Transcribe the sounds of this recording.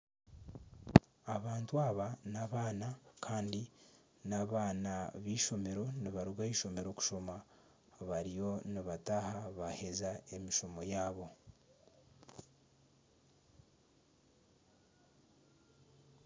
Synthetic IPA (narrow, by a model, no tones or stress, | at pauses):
aβaːntuaβanaβaːnakʰaːndi | naβaːnaβiːʃo̞me̞ɾo̞niβaɾuɡaiʃo̞me̞ɾo̞ku̥ʃo̞ma | βaɾijo̞niβataːhaβahe̞zae̞miʃo̞mo̞jaːβo̞